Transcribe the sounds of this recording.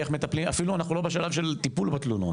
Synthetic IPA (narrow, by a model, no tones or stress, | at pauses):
eχme̞t̪aplimafiluanaχnulo̞beʃalavʃelt̪ipulbat̪lunut